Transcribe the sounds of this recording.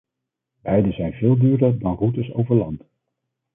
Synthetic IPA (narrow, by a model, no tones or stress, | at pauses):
b̥ɛjdəzɛjnvɪːlˠdyːɹdəɹdɑnrutəso̰wvəɹlɑ̰ndə